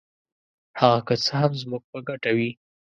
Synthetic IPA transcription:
haɣakət͡səhamzmuɡ̚pəɡaʈawi

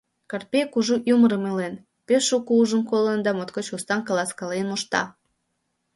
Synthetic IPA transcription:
kɑr̚pekuʒuʔjuməɾəmelen | peʃukuuʒəmkolənd̪ɑmot̪kot͡ɕust̪ɑnkɑlɑskɑlenoʃt̪ɑ̰

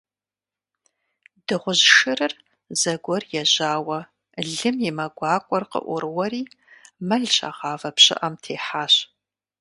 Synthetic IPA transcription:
d̥ɨʁʷʊʑʃɨrɨr | zɐɡʷɔrjɛʑaːwɐ | ɮɨmjɪmɐɡʷɑːkʷʼɔrqə̰ʔʷʊɾɨwɐɾiː | mɐɮɕʰʼa̰ʁɑːvɐpɕɪ̰ʔɐmtʰeːħaːɕ

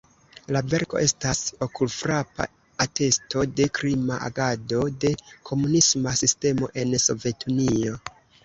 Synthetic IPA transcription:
lave̞ɾko̞ʔe̞staso̞kulfɾapa̰ | ate̞sto̞de̞kɾimaʔa̰ɡado̞de̞kʰo̞munismasiste̞mo̞ʔe̞nso̞ve̞tunio̞

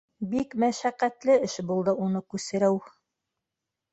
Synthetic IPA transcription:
bikmæʃæqæt̪lɘɘʃbulˠd̪ɤʔunɤkʉsɘ̆ɾæw

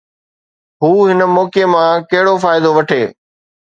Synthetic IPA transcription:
ɦuːɦɪnəmɔːkemãkɐɦɪɽofaːɪd̪oʋɐʈʰeː

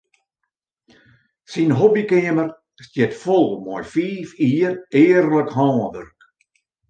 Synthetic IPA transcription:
sinɦobikɪəmər | stjɛtfɔlˠmɔjfiːfiːreːərləkhɔːnʋə̰rk

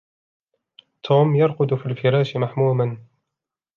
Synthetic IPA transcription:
t̪ʰuːmjɑɾˤqʊd̪ʊfiːlfɪɾˤɑːʃɪmaħmuːman

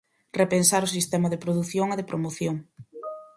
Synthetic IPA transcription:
repensaɾʊsist̪ɛmɐðepɾoðuθjoŋeðepɾomoθjoŋ

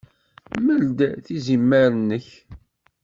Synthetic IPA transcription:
məld̪æθizimːæɾənːəç

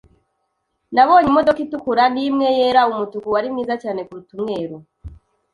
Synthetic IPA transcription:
naβo̞ːɲimodokitukuɾandimŋejeːɾaumutukuwaɾimŋiːzat͡ʃaːne̞kuɾutumŋe̞ːɾo

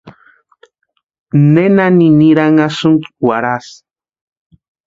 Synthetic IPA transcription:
nenaniniɾaŋasuŋkiwaɾas

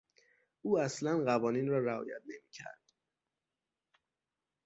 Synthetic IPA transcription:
ʔuːæslænɢævɒːniːnɾɒːɾæɒ̰ːjæ̰t̪̚ne̞miːcʰæ̰ɾd̪̥

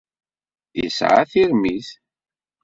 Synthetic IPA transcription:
jə̰sʕa̰θiʁmiθ

